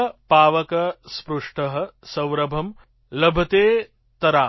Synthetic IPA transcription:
paːʋɐkɐspɾuʂʈɐɦɐ̆sɐ̃wɾɐbʱɐm | lɐbʱɐt̪eː | t̪ɐɾaː

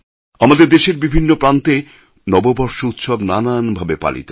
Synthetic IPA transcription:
amad̪eɾd̪eʃeɾbibʱinːopɾant̪e | nɔbobɔɾʃout̪ʃobnananbʱabepa̰lḭt̪o

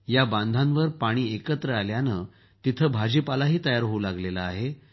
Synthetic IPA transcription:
jabãnd̪ʱãnʋəɾpaɽ̃iːekət̪ɾəaljanə | t̪it̪ʰəbʱad͡ʑipalaɦiːt̪əjaɾɦoulaɡlelaaɦe

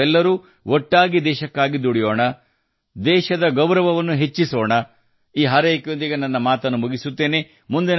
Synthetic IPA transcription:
ɛlːɐɾuː | ʔɔʈːaːɡid̪ɛːʃɐkːaːɡid̪uɽijoːɳɐ | d̪ɛːʃɐd̪ɐɡɐwɾɐʋɐʋɐnːuɦe̞t͡ʃːisoːɳɐ | iːɦaːɾɐjɐkːjond̪iɡenɐnːɐmaːt̪ɐnːumuɡisut̪ːe̞ːne̞ | mund̪in

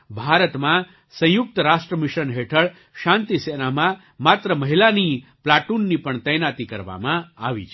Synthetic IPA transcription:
bʱaɾət̪mã | sə̃jʊk̚t̪əɾaʃʈɾəmɪʃənɦeʈʰəɭ | ʃãnt̪isenamã | mat̪ɾəməɦilaniplaʈunːipəɳt̪əjnat̪ikəɾʋa̰mãaʋḭt͡ʃʰ

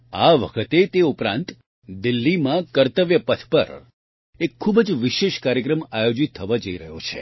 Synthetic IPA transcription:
aʋə̰kʰət̪et̪eupɾã̰nt̪ | d̪ɪlːimãkəɾt̪əʋjəpət̪ʰpə̰ɾ | ekʰːubəd͡ʒʋɪʃeʃkaɾjəkɾəmajod͡ʒit̪ʰːəʋad͡ʒəiɾəɦo̰t͡ʃʰḛ

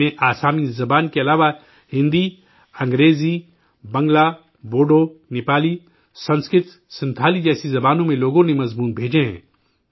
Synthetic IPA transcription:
ẽʔaːsaːmizɐbaːnkeɐlaːʋa | hɪ̃nd̪i | ɐ̃ŋɡɾeːzi | bɐ̃ŋɡla | boːɖonɪːpaːli | sɐ̃nskɾɪt̪ | sɪ̃nt̪ʰaːlid͡ʒɛːsizɐbaːnõmẽloːɡõnẽmɐzmuːnbʱeːd͡ʒeɦɛ̰̃ː

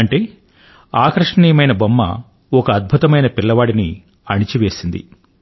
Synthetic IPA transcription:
ɐɳʈe̞ː | aːkɾɐʂɳiːjɐmɐjnɐbɐmːɐ̰ | ɔkɐːd̪̚bʱut̪ɐmɐjnɐpilːɐʋaːɽini | ɐɳit͡ʃiʋe̞ːsind̪ḭ

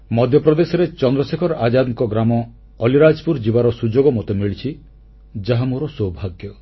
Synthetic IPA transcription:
mɔd̪ʱjɔpɾɔd̪esɔɾet͡ʃɔnd̪ɾɔsekʰɔɾʔad͡ʒad̪ŋkɔɡɾamɔː | liɾad͡ʒɔpuɾd͡ʒibaɾɔsud͡ʒoɡɔmɔt̪emiɭit͡ʃʰi | d͡ʒaɦamuɾɔsɔwbʱaɡjɔ

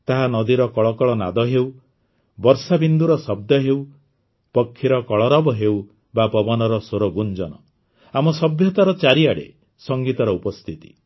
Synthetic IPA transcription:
t̪aɦanɔd̪iɾɔkɔɭɔkɔɭɔna̰d̪ɔɦew | bɔɾsabind̪uɾɔsɔb̚d̪ɔɦew | pɔkʰːiɾɔkɔɭɔɾɔbɔɦew | bapɔbɔnɔɾɔsoɾɔɡund͡ʒɔnɔ | amɔsɔbʱjɔt̪aɾɔt͡ʃaɾiaɽḛ | sɔŋɡit̪ɔɾɔupɔst̪ʰit̪i̥̰

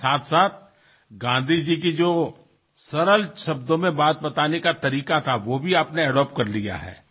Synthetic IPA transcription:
saːt̪ʰsaːt̪̚ʰ | ɡãːnd̪ʱid͡ʒik̬id͡ʒoː | sɐɾəlʃɐbd̪õmẽbaːt̪̚bɐt̪aːnekat̪ɐɾiːkat̪ʰaʋoːbʱiaːpneɛɖɔːp̚kɐɾlija̰ɦɛ̰ː

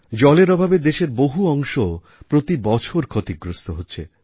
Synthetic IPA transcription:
d͡ʑɔleɾɔbʱabed̪eʃeɾboɦuɔŋʃo | pɾot̪ibɔt͡ɕʰoɾkʰot̪iɡɾost̪oɦotːɕʰe

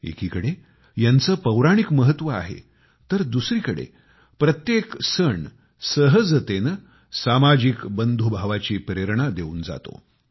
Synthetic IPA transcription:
ḛkiːkəɽe | jant͡səːpəwɾaɽ̃ikməɦət̪ʋəa̰ɦḛ | t̪əɾd̪usɾiːkəɽḛ | pɾət̪jeksəɳ | səɦəd͡zt̪en | samad͡ʑikbənd̪ʱubʱaʋat͡ɕiːpɾeɾɳad̪euːnd͡za̰t̪o̰

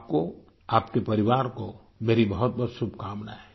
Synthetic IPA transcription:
p̚ko | aːpkepɐɾɪʋaːɾko | meːɾibɐɦʊt̪̚bɔt̪sʊbʱkaːmnaɦɛː

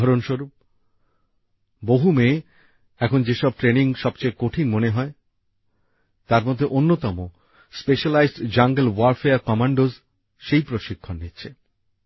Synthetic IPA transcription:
ɔɾonʃoɾup̚ | boɦume | ɛkʰond͡ʑeʃɔb̚ʈɾeniŋʃɔb̚t͡ɕajkoʈʰinmoneɦɔe | t̪aɾmɔd̪ʱːeʔonːot̪ɔmo | speʃalajzɖd͡ʑaŋɡelwaɾfeaɾkɔmaɳɖoz | ʃejpɾoʃikʰːonːitːɕʰe

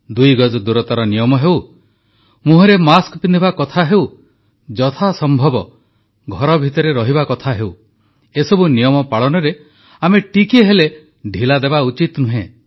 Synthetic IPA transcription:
d̪ujɡɔd͡ʒɔd̪uɾɔt̪aɾɔnijɔmɔɦew | muɦɔɾemaskpind̪ʱibakɔt̪ʰaɦeuw | d͡ʒɔt̪ʰasɔmbʱɔbɔ | ɡʱɔɾɔbʱit̪ɔɾeɾɔɦibakɔt̪ʰaɦew | esɔbunijɔmɔpaɭɔnɔɾe | ameʈikieɦele | ɖʱilad̪ebaut͡ʃit̪nuɦẽ

